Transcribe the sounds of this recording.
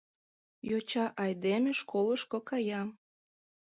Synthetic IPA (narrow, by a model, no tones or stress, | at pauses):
jot͡ɕɑʔɑjd̪emeʃkoləʃkokɑjɑm